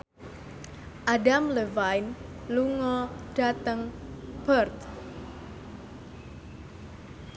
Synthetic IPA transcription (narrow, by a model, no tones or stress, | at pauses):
ʔadamləvajn | luŋɔɖ̥a̤t̪əŋb̥ərt̪